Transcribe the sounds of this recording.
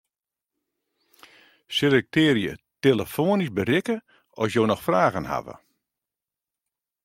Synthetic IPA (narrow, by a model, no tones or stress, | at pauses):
sɪlɛk̚tɪːɾjə̰teləfoːənisbərɪkə | ɔsjoːnɔxfraːɣənha̰və̰